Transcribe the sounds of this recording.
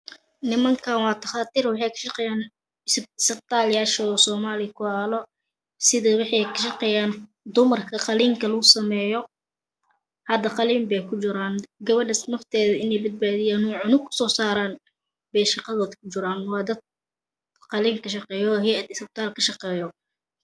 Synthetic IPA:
nɪmɐŋkʰanwɑːt̪ʰɐχɑːt̪ʰiːrwɑħɑjkʰɐ̥ʃɑqɛːjaːn | ɪssɐb̚t̪ʰaːljaːʃɔsɔːmaːlɪkʰʊaːlɔ | sɪðɐwɑħɑjkʰɐʃɑqɛːjaːn | d̪ʊmɐrkʰɐqɑliːŋkʰɐlɐɣʊsɐmɛːjɔ | hɐd̪ɐqɑliːmbɛjkʰʊt͡ʃɪɾaːnɡɐβɐɖɐsnɐft̪ʰɛːðɐɪnɛjbɐd̪̚baːðɪjaːnuːʕʊnʊkʰʊ̥sɔːsaːɾaːn | bɛjʃɑqɑðɔːðkʰʊt͡ʃɪɾaːnwɑːd̪ɐd̪̚ | qɑliːŋkʰɐʃɑqɛːjɔhɛɐd̪ɪsb̚t̪ʰaːlkʰɐʃɑqɛːjɔ

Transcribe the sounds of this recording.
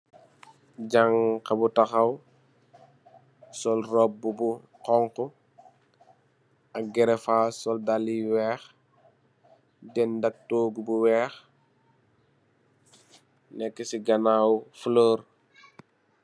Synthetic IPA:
ɟaŋkɐbutaxɐw | sɔlrɔb̚bubu | qɔŋkɔ | ɐk̚ɡɛɾɛfaːsɔldalːiwɛːx | dɛndɐk̚toːɡubuwɛːx | nɛkːɛsiɡɐnaːwfulɔːɾ

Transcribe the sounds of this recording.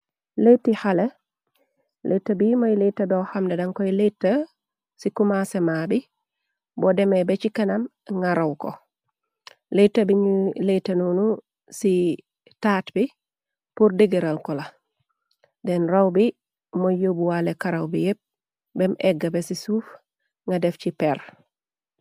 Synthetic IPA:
letːihale | lʔetːabimojletːɐbohamdedɐŋkojiletːə | sikumasemaːbi | bɔdɛmebɛt͡ʃikɐnam | ŋaɾawko̰ | letːɐbiɲletːɐnunu | si | taːtbi | puɾdeɡiɾalkɔla | dɛnɾawbi | mojobuwalekaɾawbijep̚ | bɛmʔɛɡːabesisuːf | ŋɡadɛfcipɛɾ

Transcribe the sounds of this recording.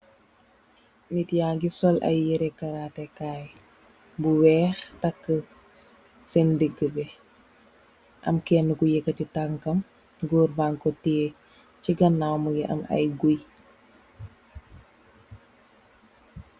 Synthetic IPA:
nitjaɡisɔlʔɐ̰jːɛɾɛkɐɾatɛkaːj | buwɛːxtɐkːə | sɛndəɡəbɛ | ʔɐ̰mkɛːnːəkujekːətitaŋkɐm | ɡoːɾbaŋkotiː | ciɡɐnːawməɡiʔɐ̰mɐ̰jɡuj

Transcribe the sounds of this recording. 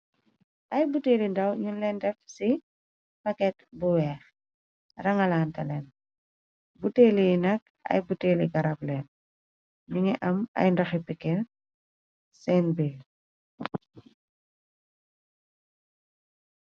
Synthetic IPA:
ʔɐjbuteːlindɐwɲunlɛndɛfsi | pɐkɛtbuwɛːx | rɐŋɐlaːntɐlɛn | buteːlijnɐk̚ɐ̰jbuteːliɡɐɾap̚lɛːn | niŋɛʔɐmɐ̰jndɐxipikːɛl | sɛnbil

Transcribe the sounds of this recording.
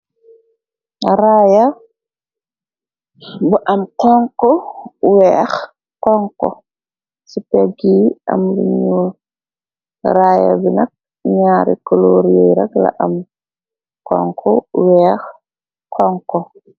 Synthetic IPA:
ɾaja | buʔamkɔŋkɔwɛːx | kɔŋkɔ̰ | sipeɡia̰mlḭɲɲuːl | ɾaːja̰binak̚ | ɲaːɾḭkoloɾjɛjɾakla̰ʔam | kɔ̰ŋkʰɔwɛx | kʰɔŋkɔ

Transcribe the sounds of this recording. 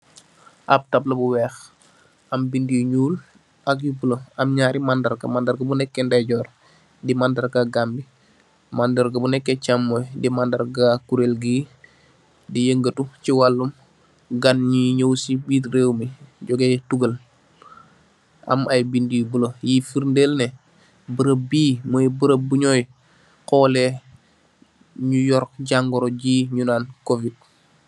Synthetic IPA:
ʔɐb̚tablɐbuwɛːx | ʔɐmbindijuɲuːl | ʔɐk̬̚jubuləɐmɲaːɾimandɐrɡɐ̰mandɐɾɡɐbunɛkːɛndɛɟɔːr | dimandɐrɡɐɡambi | mandɐɾɡɐbunɛkːɛcamːɔjdimandɐɾɡakuɾelɡiː | dijəŋɡətuciwalːum | ɡanɲiɲowsibiːtɾeːwmiɟoɡetuɡəl | ʔa̰majbindibulojifiɾndelne | bəɾəbiːmojbəɾəbuɲoj | koːle | ɲujɔɾɟaŋɡoɾoɟiɲunaːnkovid̚

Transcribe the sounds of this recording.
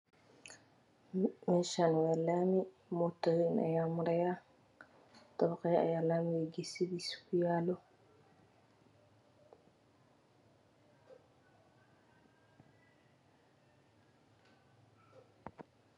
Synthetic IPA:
mɛʃanwɛlami | mɔt̪ɔwinʔa̰jamʊɾɛja | t̪ɔβqɛja̰jaːlamiwɛɡisibiskujaːlo

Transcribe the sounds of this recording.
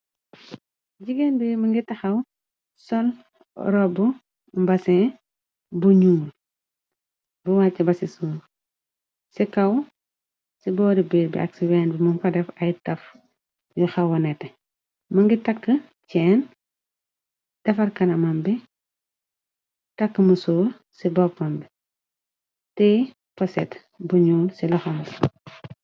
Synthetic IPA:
ɟiɡenbimɐŋɡitɐxɐw | sɔl | ɾɔbu | mbɐsɛː | buɲuŋul | buwacːɐbɐsisuːl | sikɐw | sibɔːɾibiːɾbḭʔɐ̰ksiwɛːnbimunfɐdɛfɐjtɐf | jɔxɐwɐnɛtːɛ | mɐŋɡitɐkːə | t͡ʃɛːn | d̥ɐfɐrkɐnɐmɐmbi | tɐkːəmusuːɾ | sibɔpmɐmbi | tɛ | pɐsɛ̰t | buɲuːlsilɔxɐm

